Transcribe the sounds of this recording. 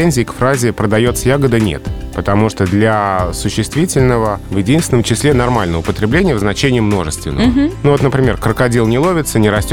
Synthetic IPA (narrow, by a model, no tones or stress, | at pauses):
enʲzʲɪːkfɾazʲɪpɾəd̪ɐjo̞t̪səjaɡəd̪ənʲe̞̰t̪pət̪ɐmuʂt̪od̪lʲasʊɕːɪst̪vʲitʲɪlʲnəvəvjɪdʲinsʲɪnəmt͡ɕɪsʲlʲenɐrmalʲnəvəpət̪ɾʲɪblʲenʲɪjəvznɐt͡ɕenʲɪɪmno̞ʐɨst̪vʲɪ̰nːəvənuvo̞t̪nəpɾʲɪmʲe̞rkɾəkɐdʲilˠnʲɪlˠo̞vʲɪt̪sənʲɪɾɐsʲtʲ